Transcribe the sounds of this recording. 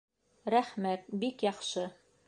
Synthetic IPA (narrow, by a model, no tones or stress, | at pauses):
ɾæχmæt̪̚bikjɑχʃɤ